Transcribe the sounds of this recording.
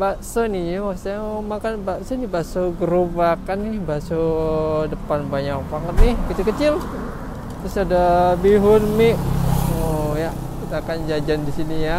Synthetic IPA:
baʔsonijawast̪aamakanbaʔsonɪbasoɡəɾupbakanɪhbasodəpanbaɲak̚paŋət̪̚nɪhkit̪ukət͡ʃɪl | t̪ɾʊsadabiɦʊnmɪʔoja | kit̪akand͡ʒad͡ʒandisinija

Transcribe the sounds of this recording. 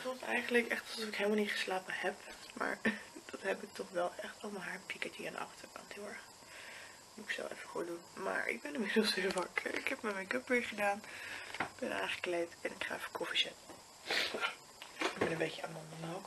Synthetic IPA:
fulˠtɛjχəndələkɛχtlˠsɔfɪkɦeɪːlˠmɑlˠnitχə̥slaːpəhɛpma̰ːɹd̥ɑtɦɛpɪk̚tɔχʋɛlˠʔɛχtomalɦaːɹpikɛtiːãndə̰ʔɑ̰χtəɹkɑ̰ntɦɪːlˠɛɹχ | mutɪkso̰wɛ̰fəχo̰ːdunma̰ːɹʔɪ̰ɡ̚bɛnɪmɪdlˠsɦɪːlˠʋɑkə̰ɪ̰kɦɛpmɛmɛnkɵpʋɪːɹχədaːnɪɡb̥ɛnʔa̰ːŋχə̥klejtɛnɪkχa̰ːɛfə̥kʰɔfizɛt | ɪɡbɛnə̃mbejcəamɔndənok

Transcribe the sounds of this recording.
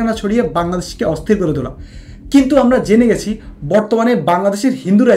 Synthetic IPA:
anat͡ɕʰoɽijebaŋlad̪eʃkeɔst̪ʰiɾkoɾed̪ola̰ | kint̪uamɾad͡ʑeneɡɛt͡ɕʰibɔɾt̪omanebaŋlad̪eʃeɾɦind̪uɾa

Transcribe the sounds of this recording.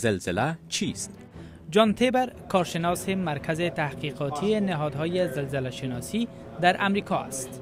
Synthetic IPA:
zɪlzɪlat͡ʃʰist̪ | d͡ʒɒnt̪ʰebeɾkɒɾʃɪnɔsemaɾkʰazɪt̪ahqiːqɒt̪ʰienɪɦɒːd̪ɦɒːjezɪlzɪlaʃɪnɒsi | d̪aɾʔamɾikʰɒa̰st̪

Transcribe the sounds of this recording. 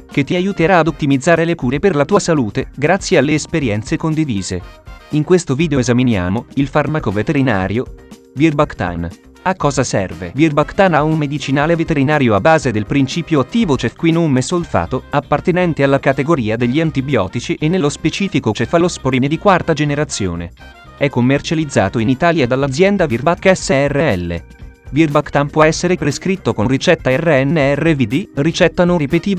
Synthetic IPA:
k̟et̪ːiajut̪eɾaːd̪ot̪ːimid̪zːaːɾelekuːɾeperlat̪uːasaluːt̪eɡɾat̪sːjealːeːspeɾjɛnt̪sekond̪iviːzḛiŋkwest̪oviːd̪eoezaminja̰ːmoilfarmakovet̪eɾina̰ːɾjo | virbakt̪a̰n | akːɔːzasɛ̰rvḛvirbakt̪anaummed̪it͡ʃinaːlevet̪eɾinaːɾjoabːaːzed̪elpɾint͡ʃiːpjoat̪ːiːvot͡ʃɛkːwinomesolfa̰ːt̪oapːart̪enɛnt̪ealːakat̪eɡoɾiːad̪eʎːiant̪ibjɔ̰ːt̪it͡ʃiʔenːelːospet͡ʃiːfikot͡ʃɛfalospoɾined̪ikwart̪ad͡ʒeneɾat̪sːjo̰ːnḛ | ɛkːomːert͡ʃalid̪zːa̰ːt̪oinit̪aːljad̪alːad̪zjɛnd̪avirbakːɛsːeɛrːeɛlːḛ | virbakt̪ampwɔɛsːeɾepɾeskɾit̪ːokorit͡ʃɛt̪ːaɛrːeɛnːeɛrːevid̪irit͡ʃɛt̪ːanoripet̪iːv

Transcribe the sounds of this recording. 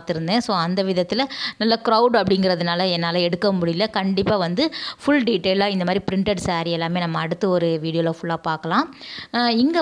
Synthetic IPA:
t̪ːɪɾɯnd̪ẽːsoːɐnd̪ɐʋɪðɐt̪ːɪlɐnɐlːɐkɪɾɐʊɽɐpːɐɽɪŋɡɪɾɐðɯnaːlɐɛnːaːlɐɛɽɯkːɐmʊɽɪjlɐkɐɳɖɪpːaːʋɐnd̪ɯfʊɭɖiʈːeːlaːɪnd̪ɐmaːd̪ɾipɪɾɪɳʈɛɽsaːɾɪɛlːaːmeːnɐmːɐːɽɯt̪ːɐɔɾɯʋiːɽɪjoːlɐːfʊɭːaːpaːɾkɐlãː | ɪŋɡɐ

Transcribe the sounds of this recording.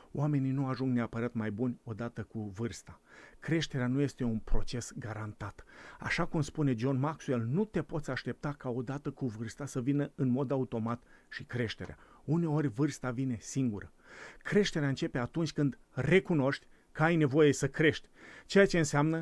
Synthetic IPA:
oame̞ninuaʒuŋɡneapəɾat̪majbunʲo̞d̪at̪əkuvɨrst̪akɾe̞ʃt̪e̞ɾeanuje̞st̪e̞unpɾo̞t͡ʃe̞sɡaɾant̪at̪a̰ʃakumspune̞d͡ʒo̞nmaksue̞lnut̪e̞po̞t̪sʲaʃt̪e̞p̚t̪akao̞d̪at̪əkuvɨrst̪asəvinəɨnmo̞d̪aut̪o̞mat̪ʃikɾe̞ʃt̪e̞̰ɾea̰une̞o̞rʲvɨrst̪avine̞siŋɡuɾə | kɾe̞ʃt̪e̞ɾeaɨnt͡ʃe̞pe̞at̪unt͡ʃʲkɨnd̪ | re̞kuno̞ʃt̪ʲ | kəajne̞vo̞je̞səkɾe̞ʃt̪ʲt͡ʃe̞jat͡ʃe̞ɨnseamnə

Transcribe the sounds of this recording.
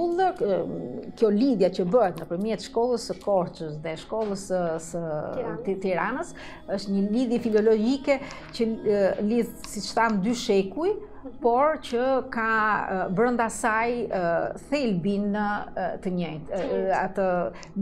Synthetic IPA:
ulˠə | kjɔliðjat͡ɕəbəɛt̪nəpəɾmjɛt̪ʃkɔlˠəsəkɔɾt͡ʃəsðɛʃkɔlˠəssə | t̪iɾanəs | əʃt̪ɲəliðjɛfilɔlɔd͡ʑikɛ | cəliðsit͡ʃθand̪yʃɛkuj | pɔɾcəkabɾənd̪asajəθɛlbinət̪əɲəjt̪at̪ə

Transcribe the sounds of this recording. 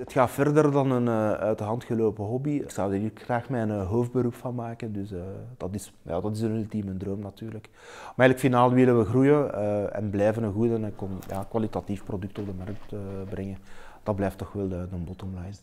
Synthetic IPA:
ətxaːtfɛrdərdɑnənəœtəɦɑntxəloːpəɦɔbiksɑwdərəkxraːxmɛjnɦoːfd̚bəɾupfɑnmaːkəndʏsːd̥ɑtɪs | ja̰ːdɑtɪsənylˠtiːməndroːmnɑtyːrlək | maɛːɣləkfinaːlˠʋɪləʋəɣrujəəɛ̰nblɛjvənənɣudənəkɔnja̰ːkwalitatifprodʏk̚tɔb̚dəmɑrk̚təbrɛŋəd̥ɑd̚blɛjftɔxʋɛlˠədəmbɔtɔmlajs

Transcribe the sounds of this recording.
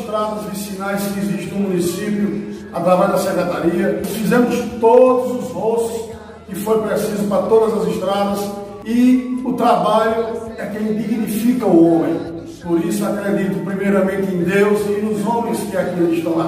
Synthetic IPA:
ʃt̪ɾad̪ɐzvisinajskiziʃt̪nʊmũnisipjʊ | at̪ɾavɛʒd̪ɐsekɾet̪aɾiɐfizẽmʊʃst̪od̪ʊzʊzʁosʊ̥s | kɪfoɾpɾesizʊpɾɐt̪od̪ɐzɐziʃt̪ɾad̪ɐz | iʊt̪ɾabaʎʊɛkẽj̃d̪iɡnifikɐuõmẽj̃ | poɾisʊakɾed̪it̪ʊpɾimejɾɐmẽnt̪ɪẽd̪ewzinʊzõmẽj̃skɪakiiʃt̪ɐ̃w̃

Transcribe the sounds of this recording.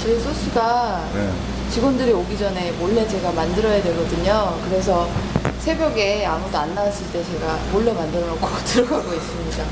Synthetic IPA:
t͡ɕʌisʰoɕʰiɡa | t͡ɕiɡwʌndɯɾioɡid͡ʑʌne̞moɭːe̞t͡ɕe̞ɡamandɯɾʌjadwe̞ɭɡʌdɯɲokɯɾe̞s̬ʰʌsʰe̞bjʌɡe̞amudoanːaws͈ɯɭt͈e̞t͡ɕe̞ɡamoɭːe̞mandɯɾʌnʌk͈ʰotɯɾʌɡʱaɡois͈ɯmɲida

